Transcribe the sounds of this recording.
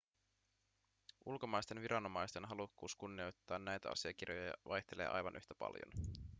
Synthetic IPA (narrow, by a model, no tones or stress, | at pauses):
ʔulko̞mɑjst̪e̞nʋiɾɑno̞mɑjst̪e̞nɦɑlukːuːskunːio̞jt̪ːɑːnːæjt̪æ̰ɑ̰siɑk̟irjojɑjɑ̰ʋʔɑjt̪ele̞̰ːʔɑ̰jʋɑnʔyht̪æpɑ̰ljo̰n